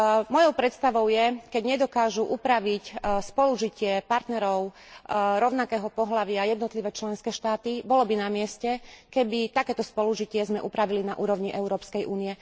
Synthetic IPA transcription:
mɔjɔʊpɾɛt̪st̪aʋɔʊjɛkɛɟɲɛd̪ɔkaːʒuʔupɾaʋicspɔluʒicɪɛpaɾt̪nɛɾɔʊ | ɾɔʊnakɛːɦɔpɔɦlaʋɪajɛd̪nɔt̪liʋɛːt͡ʃlɛnskɛːʃt̪aːt̪ibɔlɔbinamɪɛscɛkɛbit̪akɛːt̪ɔspɔluʒicɪɛzmɛʔupɾaʋilinaʔuːɾɔʊɲiʔɛʊɾɔːpskɛjʔuːniɛ

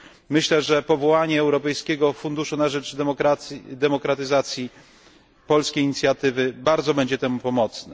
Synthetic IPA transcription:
mɘɕlɛʐɛpɔvɔwaɲɛːwɾɔpɛjskʲɛɡɔfund̪uʂunaʐɛd͡ʐɔkɾad̪ɛmɔkɾat̪ɘzat̪sʲji | pɔlskʲejiɲit̪sʲjat̪ɘvɘbaɾd̪zɔbɛɲd͡ʑɛt̪ɛmupɔmɔt̪snɛ

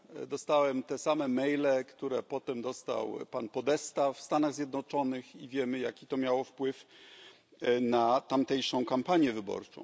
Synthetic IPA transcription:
d̪ɔst̪awɛmt̪ɛsamɛmɛjlɛkt̪uɾɛpɔt̪ɛmd̪ɔst̪a̰wpanpɔd̪ɛst̪afst̪anaɣzʲjɛd̪nɔt͡ʂɔnɘxivʲjɛmɘjakʲit̪ɔmʲjawɔfpwɘf | nat̪amt̪ɛjʂɔ̃w̃kampaɲjɛvɘbɔ̰ɾt͡ʂɔ̰̃w̃

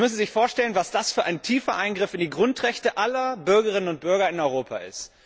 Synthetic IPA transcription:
mʏsn̩zɪçfoːɐʃtɛlənvasd̥asfyːɐʔaɪntʰiːfɐʔaɪnɡʁɪfɪndiːɡʁʊntʁɛçtəʔalɐbʏɐɡəʁɪnənʊnt̚b̥ʏɐɡɐɪnɔʏʁoːpʰa̰ʔɪ̰st

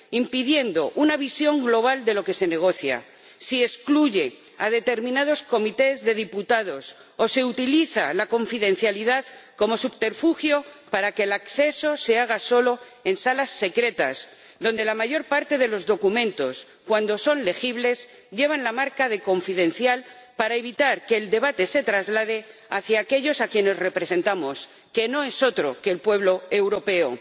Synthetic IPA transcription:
impiðje̞nd̪o̞ʔunaβ̞isjo̞ŋɡlo̞β̞ald̪e̞lo̞ke̞se̞ne̞ɣ̞o̞θja̰ | sie̞skluʝe̞ | aðe̞t̪e̞ɾmĩnað̞o̞sko̞mit̪e̞zðe̞ð̞iput̪að̞o̞s | o̞se̞ut̪iliθa̰lako̞ɱfiðẽ̞n̟θjaliðaðko̞mo̞supt̪eɾfuxjopaɾake̞lakθe̞so̞se̞aɣ̞aso̞lo̞ | e̞nsalasːe̞kɾe̞t̪az | ðo̞nd̪e̞lamaʝo̞ɾpaɾt̪e̞ð̞e̞lo̞zðo̞kumẽnt̪o̞s | kwand̪o̞so̞nle̞xiβle̞z | ʎe̞β̞anlamaɾkað̞e̞ko̞ɱfiðe̞n̟θjalpaɾaeβ̞it̪aɾke̞ːld̪e̞β̞at̪e̞se̞t̪ɾazlað̞e̞aθjaːke̞ʎo̞sakje̞ne̞zre̞pɾe̞se̞nt̪amo̞s | ke̞no̞e̞so̞t̪ɾo̞̰keːlpwe̞β̞lo̞e̞wɾo̞pe̞o

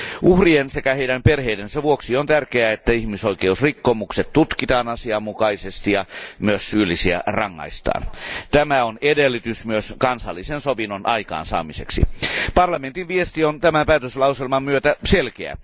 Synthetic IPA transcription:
ʔuhriensekæheiɾæmperheidensæʋuoksiont̪ærkeæet̪ːæihmisoikeusrikːomukset̪t̪ut̪kit̪ɑːnɑsiɑmːukɑisest̪ijɑmyøsːyːlːisiæ̰rɑŋːɑ̰ist̪ɑ̰ːnt̪æmæonedelːit̪ysmyøskɑnsɑ̰lːisensoʋinonʔɑikɑ̰ːnsɑ̰ːmisḛksḭpɑrlɑment̪inʋiest̪iont̪æmæpæːt̪øslɑuselmɑmmyøt̪æselkeæ̰

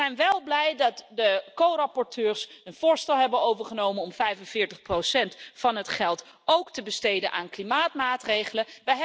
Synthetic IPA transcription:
ɛjnʋɛlˠblɛjdɑtdəkowrɑpɔɹtøːɹsənv̥ʊːɹstɛlˠɦɛbənowvəɹχənowmənɔmfɛjvənvɪːɹtəχprowsɛntfɑnɦətχɛlˠt | owktəbəstejdənʔaːnklimaːtmaːtrejχələʋəjɦ

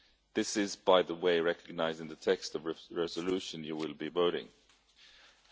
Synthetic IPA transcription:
ðɪsɪzbaɪðəweɪɹɛkɨɡ̚naɪzɪ̃ŋðɨtʰɛkstʌvɹɛzəlʉʃɨ̃njɨwɪlˠbivoʊɾɪ̰̃ŋ

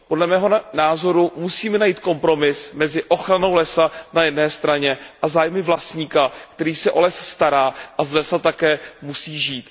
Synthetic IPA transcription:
podlɛmɛːɦo̞naːzo̞ɾumusiːmɛnajiːt̪̚ko̞mpɾo̞mɪsmɛzɪʔo̞xɾano̞wlɛsanajɛdnɛːst̪ɾaɲɛʔazaːjmɪvlast̪ɲiːkakt̪ɛɾiːsɛʔo̞lɛsst̪aɾaːʔazlɛsat̪akɛːmusiːʒiːt̪

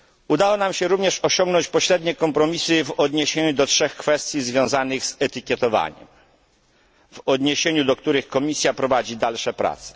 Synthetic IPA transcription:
ud̪awɔnamɕɛɾuvɲɛʂɔɕɔŋɡnɔɲt͡ɕpɔɕɾɛd̪ɲɛkɔmpɾɔmʲisɘvɔd̪ɲeɕeɲud̪ɔtʂɛxkfɛst̪ʲjizvʲjɔ̃w̃zanɘɣz̥ɛt̪ɘkʲjɛt̪ɔva̰ɲɛ̰m | vɔd̪ɲeɕeɲud̪ɔkt̪uɾɘxkɔmʲisʲjapɾɔvad͡ʑid̪alʂɛpɾa̰t̪sɛ̥

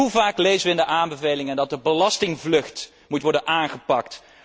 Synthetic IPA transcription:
uvaːklejzəʋəɪndəʔaːmbəvejlɪŋəndɑt̚dəbəlɑstɪŋvlɵχt | mutʋɔɹdənʔaːnχəpɑk̚t

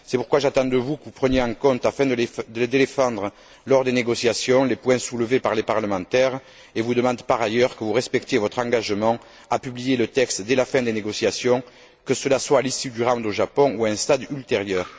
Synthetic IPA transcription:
sɛpuʁkwaʒat̪ɑ̃d̪əvukəvupχənjeɑ̃kɔ̃nt̪afɛ̃d̪əd̪əled̪ed̪efɑ̃d̪ʁə | lɔʁd̪eneɡɔsjasjɔ̃lepwɛ̃suləvepaʁlepaʁləmɑ̃t̪ɛʁ | evud̪əmɑ̃d̪paʁajœʁkəvuʁɛspɛkt̪jevɔt̪χɑ̃ŋɡaʒəmɑ̃ | apyblijelət̪ɛkst̪d̪ɛlafɛ̃d̪eneɡɔsjasjɔ̃ | kəsəlaswaːlisyd̪yʁɑ̃d̪oʒapɔ̃uɛ̃st̪ad̪ylt̪eʁjœʁ

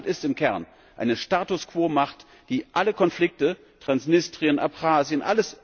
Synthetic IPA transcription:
tɪstɪmkʰɛɐn | ʔa̰ɪnəʃtaːtʊskv̥oːmaχt | d̥iːʔaləkʰɔnflɪk̚tə | tʁ̥ansnɪstʁ̥iənʔa̰pχaːzjənʔa̰ləs

